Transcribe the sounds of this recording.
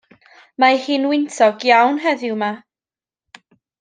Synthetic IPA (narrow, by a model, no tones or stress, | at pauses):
mahiːnwɪntʰɔɡjawnɦɛðɪwma